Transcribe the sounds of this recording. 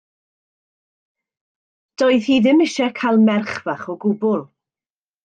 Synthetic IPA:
d̥ɔɨðhiːðɪmɪʃɛkʰajlˠmɛrχvaχɔɡʊbʊlˠ

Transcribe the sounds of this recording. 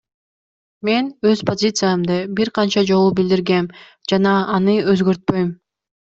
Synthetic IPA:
me̞nøz̥po̞zʲit̪sɨjamd̪ɯbiɾqʰɑnt͡ʃɑd͡ʒo̞lˠubild̪iɾɡe̞m | d͡ʒɑnɑːnɯøzɡøɾt̪̚pø̞jm

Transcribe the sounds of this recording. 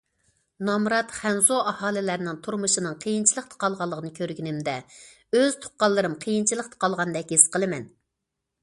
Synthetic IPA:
nɑmɾɑt̪χɛnzoɑhɑːlɪlæɾnɪŋt̪ʰuɾmuʃɨnɨŋqʰəjint͡ʃʰilˠəq̚t̪ʰə̥qʰɑlˠʁɑlˠːəʁʰənɨkʲʰøɾɡʲinɪmd̪ɛ | øz̥t̪ʰʊ̥qqːɑlˠːɨɾɨmqʰəjint͡ʃʰilˠəqt̪ʰə̥qʰɑlˠʁɑnd̪ɛk̚ʲhesqʰəlˠɨmɛn

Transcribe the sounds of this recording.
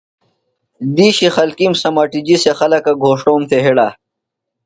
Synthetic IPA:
d̪iːɕixɐlkimsɐmaːʈid͡ʑisexɐlɐkaɡʱoːʂʈoːmt̪ʰeɦiɽaː

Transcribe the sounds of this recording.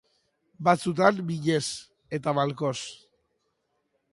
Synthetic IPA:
bat͡sut̪̬anbiʎe̞s | e̞t̪aβalko̞s

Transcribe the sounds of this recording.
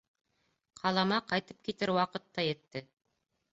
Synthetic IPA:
qʰɑlˠɑmɑqɑjt̪ɤp̚kit̪ɘɾwɑqɤt̪ːɑjɘ̆t̪ːɘ

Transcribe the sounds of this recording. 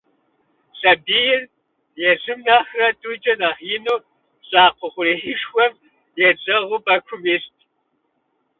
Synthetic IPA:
sʼɐbiːjɪr | jɛzɨmnaːxrɐtʼuːd͡ʒʼɐnɐχjɪnuː | ɕʼaːqʷʊχʷʊriːħiʂxʷɐm | jɛt͡sʼɐʁʷʊbɐkʷʰʊmistʰʼ

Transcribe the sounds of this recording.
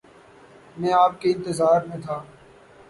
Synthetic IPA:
mɛ̃ːaːp̚keːɪ̃nt̪ɪzaːɾmẽːt̪ʰaː

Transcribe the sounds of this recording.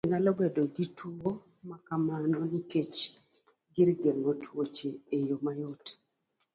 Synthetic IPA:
ŋalɔbedoɡitʰuo | makamanɔniket͡ʃ | ɡɪɾɡeŋotʰwot͡ʃeejomajot

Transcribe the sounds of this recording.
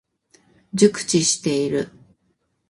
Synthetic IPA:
d͡ʑɨkɯ̟̥t͡ɕiɕi̥t̪e̞iɾɯ

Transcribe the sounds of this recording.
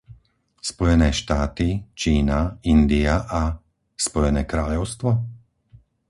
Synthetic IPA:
spɔjɛnɛːʃt̪aːt̪it͡ʃiːnaind̪iaʔa | spɔjɛnɛːkɾaːʎɔʊst̪ʋɔ

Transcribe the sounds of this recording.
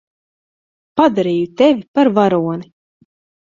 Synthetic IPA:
pad̪aɾiːjut̪ɛvʲipaɾvaɾuɔni

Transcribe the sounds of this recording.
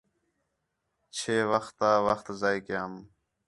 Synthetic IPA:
t͡ʃʰeːʋəxt̪aːʋəxt̪zaːikɪjaːm

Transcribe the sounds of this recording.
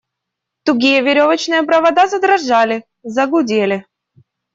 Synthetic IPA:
t̪ʊɡʲijəvʲɪɾʲovət͡ɕnɨjəpɾəvɐd̪azəd̪ɾɐʐalʲɪ | zɐɡʊdʲelʲɪ

